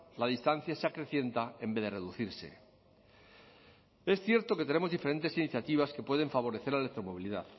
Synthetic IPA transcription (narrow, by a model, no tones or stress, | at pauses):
laðist̪an̟θjaseakɾe̞θje̞nt̪ae̞mbe̞ðe̞re̞ðuθiɾse̞̰ | e̞sθje̞ɾt̪o̞ket̪e̞ne̞mo̞zðife̞ɾe̞nt̪e̞siniθjat̪iβ̞aske̞pwe̞ðe̞ɱfaβ̞o̞ɾeθe̞ɾlaelek̚t̪ɾo̞mo̞βiliðað